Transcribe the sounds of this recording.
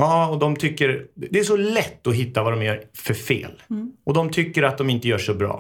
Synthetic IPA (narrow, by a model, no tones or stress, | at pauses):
ɑːɔd̪ɔmt̪ʰʏkːəɾd̪ɛæʂɔlɛt̪ːɔɦɪt̪ːavad̪ɔmjæɾfœɾfḛːlʔɔd̪ɔmt̪ʰʏkːəɾat̪̚d̪ɔmɪnt̪əjœːʂɔbɾɑ̰ː